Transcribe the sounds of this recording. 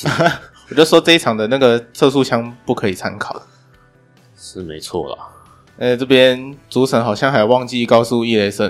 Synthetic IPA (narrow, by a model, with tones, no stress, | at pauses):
wɔ˨˩˧ʂɔ˥t͡sɤ˥˧i˥ʈ͡ʂʰɑ˨˩ŋd̪ə˩˦na˥˩ɡə˩t͡sʰɤ˥˧s̬u˥˧ɕjɑ˥˧ŋpu˥˩kʰɤ˧˥i˨˩t͡sʰa̰˥nkʰɑ˨˩˦ʊ | ʂɻ̩˥˩me˧˥ɪt͡sʰwɔ̰˥˩lə̰˩ | ɛ˥˧˩ʈ͡ʂɤ˥˩pjɛ˥nt͡su˧˥t͡sʰə˨˧˥ŋxɑ˨˩ʊɕjɑ˥ŋa˥jo˨˩˦wɑ˥˧ŋt͡ɕi˥˧i˥˩kɑ˥ʊsu˥˧i˥˩le˧˥ɪsə˥˩